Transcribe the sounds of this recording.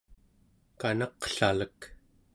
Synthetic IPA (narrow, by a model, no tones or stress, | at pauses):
kanɑqɬalək